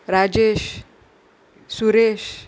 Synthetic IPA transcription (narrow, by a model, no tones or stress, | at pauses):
ɾad͡ʑeʃ | suɾeʃ